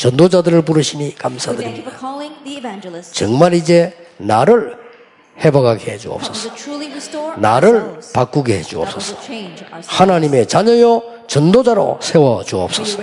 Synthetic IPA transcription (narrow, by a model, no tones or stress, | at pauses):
t͡ɕʌnd̪od͡ʑadɯɾɯɭp̬uɾɯɕʰinikamsʰadɯɾimɲid̥a | t͡ɕʌŋmaɾid͡ʑe̞naɾɯɭ | hebaɡaɡeed͡ʑuʌ̰p̚s͈ʌs͈ | na̰ɾɯɭpak͈uɡeed͡ʑuʌ̰p̚s͈ʌs͈ʌ̥ | hanaɲime̞t͡ɕaɲʌjo | t͡ɕʌndod͡ʑaɾo̰sʰe̞wʌt͡ɕuʌp̚s͈ʌs͈ʌ̥